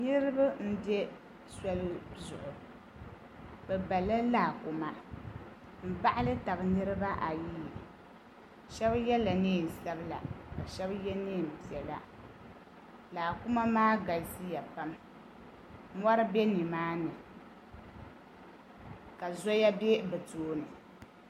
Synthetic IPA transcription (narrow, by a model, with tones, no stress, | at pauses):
nɨ˦ɾɨ˦ba˦n̩˦dɛ˦ | sa˦lɨ˦zʊ˨ʔʊ˨ | bɛ˨ba˨la˦laː˨ku˨ma˦ | m̩˦˨ba˦ʔa˦lɨ˦ta˨bɨ˨nɨ˦ɾɨ˦ba˦ʔa˨ji˦˨ | ʃɛ˦bjɛ˦la˨niː˦˨sa˦bɨ˦la̰˨ka˨ʃɛ˦bjɛ˦niː˦˨m̩˨pi˨ɛ˨la˨ | laː˨ku˦ma˦maː˦ɡa˨lsi˦ja˨pa˦m | mɔ˦ɾɨ˦be˦nɨ˨maː˦nɨ˨ | ka˨zɔ˦ja˦be˦bɛ˨toː˨nɨ˨